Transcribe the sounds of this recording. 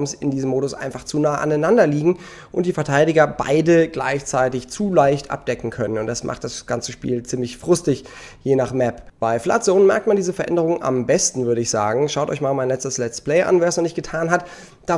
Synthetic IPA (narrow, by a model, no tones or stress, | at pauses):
msɪndiːzəmoːdʊsʔa̰ɪnfaχt͡suːnaːʔa̰naɪnandɐliːɡŋ̩ | ʔʊntd̥iːfɛɐtʰaɪɾɪɡɐba̰ɪdəɡla̰ɪçt͡saɪtɪçt͡suːlaɪçtʔa̰p̚d̥ɛkŋ̩kʰœnənʊnt̚d̥asmʔa̰χt̚d̥asɡ̥ant͡səʃpḭːlt͡siːmlɪçfʁ̥ʊstɪç | jeːnaχmɛpb̥aɪfla̰t͡soːnnmɛɐktmandiːzəfɛɐʔɛ̰ndəʁ̞ʊŋənʔa̰mbɛstn̩vʏɐɾəɪçz̥a̰ːɡŋ̩ʃaʊtʔɔ̰ɪçmaːlmaɪnlɛt͡stəslɛt͡spl̥ɛɪʔa̰nveːɐsnɔnɪçt̚ɡ̥ətʰaːnɦat | d̥aː